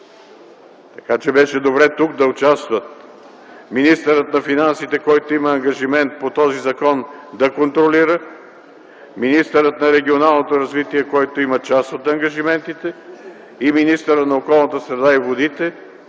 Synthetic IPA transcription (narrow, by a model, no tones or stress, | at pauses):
t̪ɐ̥kat͡ʃɛbɛʃɛd̪obɾɛt̪uk̚d̪ɐʊt͡ʃast̪vət̪̚ | minist̪əɾət̪nɐfinansit̪ɛkɔjt̪oimɐːŋɡɐʒimɛnt̪̚pot̪ɔzizɐkɔnd̪ɐkont̪ɾoliɾə | minist̪əɾət̪nɐɾɛɡʲionalˠnot̪oɾɐzvit̪iɛkɔjt̪oimɐt͡ʃast̪ot̪ɐŋɡɐʒimɛnt̪it̪ɛ | iminist̪əɾət̪nɐokɔlˠnət̪əsɾɛd̪aivod̪it̪ɛ